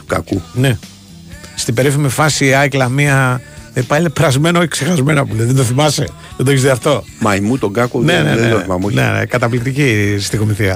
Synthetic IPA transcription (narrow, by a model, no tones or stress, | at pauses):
t̪u̥kakune | st̪ibe̞ɾifimifɐsiaklɐmiɐepɐilepɾɐzme̞nooçi̥ksexɐzme̞noɐpuleðend̪oθimɐsḛ | ðend̪oeçezðiɐft̪o̞mɐimut̪oɡakonneneðeed̪oθimɐmonḛnḛkɐt̪ɐplik̚t̪icist̪ikomiθiɐ